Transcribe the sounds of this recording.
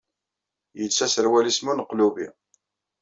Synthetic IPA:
jət͡sːæsəɾwælismunəqːlubḭ

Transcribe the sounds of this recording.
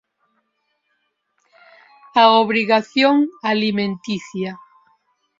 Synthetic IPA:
aoβɾiɣaθjoŋalimẽnt̪iθja

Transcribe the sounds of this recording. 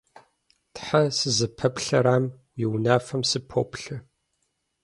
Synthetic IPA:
tħasɨzɨpʰɐpɬɐɾaːmwiwnaːfɐmsɨpʰo̰ːpɬɨ

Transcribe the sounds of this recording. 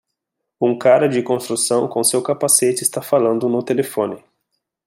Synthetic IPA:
ũŋkaɾɐd͡ʒɪkõst̪ɾusɐ̃w̃kõsewkapaset͡ʃɪst̪afalɐ̃nd̪ʊnʊt̪elefõnɪ

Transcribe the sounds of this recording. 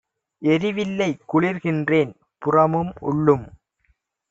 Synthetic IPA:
ʔɛɾɪʋɪlːɐɪkːʊɭɪɾɣɪndreːn | pʊrɐmɯmʊ̰ɭːɯm

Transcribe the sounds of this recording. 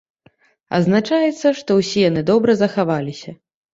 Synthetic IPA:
ɐ̰znat͡ʂajɛt̪sːɐʂt̪ɔwsʲijanɨd̪ɔbɾɐzɐxavalʲisʲɐ

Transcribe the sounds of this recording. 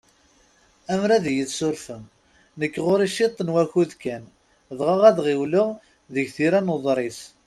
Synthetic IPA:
æmɾæðjəðsʊɾfəm | nəkːʁoɾiʃit̪ˤːnwæçuðkæn | ðʁəʁæðʁɪwləʁ | ðəʝθiɾænəðˤɾˤis

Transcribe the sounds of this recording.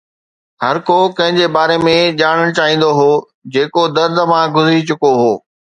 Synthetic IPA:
hɐɾkokɐ̃ɦɪ̃ɲd͡ʑeːbaːɾemẽʄaːɽ̃əɽ̃t͡ɕaːɦĩːn̆d̪oɦoː | d͡ʑeːkod̪ɐɾd̪ʱəmãːɡʱʊzɾit͡ɕʊkoɦoː

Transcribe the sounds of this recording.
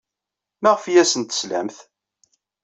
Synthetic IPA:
mæʁfjæsənt̪ə̥slæ̰mθ

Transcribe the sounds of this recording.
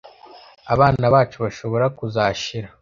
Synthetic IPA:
a̰βaːnaβaːt͡ʃuβaʃo̞βo̞ɾakuzaːʃiɾa

